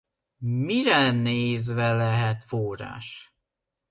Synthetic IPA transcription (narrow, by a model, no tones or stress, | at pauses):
miɾɛneːzvɛlɛɦɛt̪foːra̰ːʃ